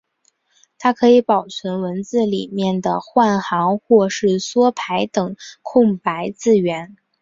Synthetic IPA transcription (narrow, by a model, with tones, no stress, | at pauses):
t̪ʰa˥kʰɤ˧˥i˧˥pɑ˨˩ʊt͡sʰə˧˥nwə˧˥nt͡sɹ̩˥˩li˨˩mjɛ˥˩nd̪ə˩xwa˥˩nxɑ˧˥ŋxwɔ˥˧ʂɻ̩˥˩swɔ˥pʰa˧˥ɪt̪ɤ˨˩ŋkʰʊ˥˩ŋpa˧˥ɪt͡sɹ̩˥˩ɥɛ˧˥n